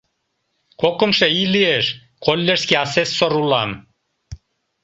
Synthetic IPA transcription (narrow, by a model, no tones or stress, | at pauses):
kokə̆mʃeilieʃ | kolʲːeʃskʲiɑsesːoɾulɑm